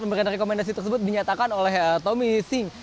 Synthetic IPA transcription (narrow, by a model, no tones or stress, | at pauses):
məməɾanrekomɛndas̬it̪ərsəbʊt̪̚diɲat̪akanolɛhət̪omisɪŋ